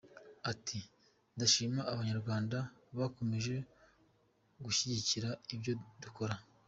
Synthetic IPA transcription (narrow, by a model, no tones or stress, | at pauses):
atʰi | ndaʃiːmaʔːβaɲaɾɡwaːndaβako̞meʒe̞ | ɡuʃiɟiciɾaibɟo̞duko̞ɾa